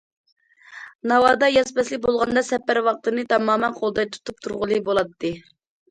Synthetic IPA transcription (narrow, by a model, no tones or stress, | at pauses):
nɑwɑːd̪ɑjɑsbɛslɪk̚ʲbolˠʁɑnd̪ɑsɛpːæɾwɑq̚t̪ɨnɨt̪ʰɑmɑːmɛnqʰolˠd̪ɑjt̪ʰu̥t̪ʰup̚t̪ʰuɾʁʊlˠɨbolˠɑt̪ʰːɨ